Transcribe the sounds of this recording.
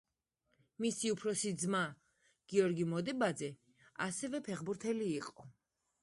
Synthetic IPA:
misiupʰɾɔsid̪zma | ɡ̥iɔɾɡimɔd̪ɛbad̪zɛ | a̰sɛvɛpʰɛχbuɾt̪ʰɛliːqʼɔ

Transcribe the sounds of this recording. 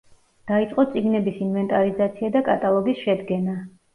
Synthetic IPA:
d̪̥ait̪sʼqʼɔt̪sʼiɡnɛbisinvɛnt̪ʼaɾizat̪sʰiad̪akʼat̪ʼalˠɔɡisʃɛd̪ɡɛna

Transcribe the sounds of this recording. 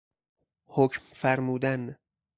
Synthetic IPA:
hocʰmfæɾmuːd̪æn

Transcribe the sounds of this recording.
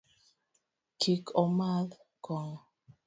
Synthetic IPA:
kʰikʰɔmal | kɔŋ

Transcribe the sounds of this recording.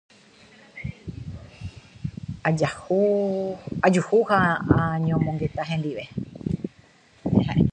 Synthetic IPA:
ad͡ʒahu | ad͡ʒuhuhaãɲõmõŋɡet̪aɦẽnd̪iʋe | eɦa

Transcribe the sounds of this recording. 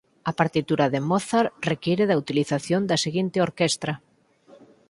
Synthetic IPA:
ɐpaɾt̪it̪uɾɐðemɔθaɾrekiɾeðɐut̪iliθaθjond̪ɐseɣint̪eoɾkɛst̪ɾɐ

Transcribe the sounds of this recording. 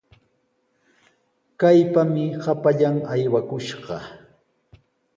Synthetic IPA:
kajpamɪhapaʎaŋajwakʊʃɢɑ

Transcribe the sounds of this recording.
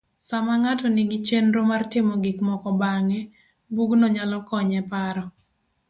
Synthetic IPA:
samaŋatɔnɪɡit͡ʃenɾomartɪmɔɡɪkmɔkɔbaŋɛ | buɡnɔɲalɔkɔɲɛpaɾɔ

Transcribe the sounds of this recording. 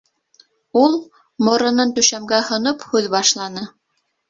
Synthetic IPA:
ulˠ | mŏɾɤ̆nɤnt̪ɵ̆ʃæmɡæhŏnophʉðbɑʃlˠɑnɤ

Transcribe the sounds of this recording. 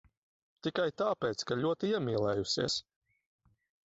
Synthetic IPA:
t̪ikajt̪aːpɛːt̪skaʎʲuɔt̪iiɛmʲiːlˠɛːjusiɛs

